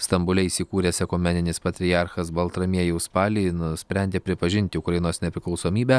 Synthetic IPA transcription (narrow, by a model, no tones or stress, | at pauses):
st̪ɐmbʊlʲɛiːsʲɪkuːɾʲeːsʲɛkʊmʲɛnʲɪnʲɪspɐt̪ʲɾʲɪjɑɾxɐsbɐlˠt̪ɾɐmʲiɛjɛʊspɑːlʲinʊsʲpʲɾʲɛnʲd̪ʲeːpʲɾʲɪpɐʒʲɪnʲt̪ʲɪʊkɾɐjɪnoːsnʲɛpʲɾʲɪklˠɐʊsoːmʲiːbʲæː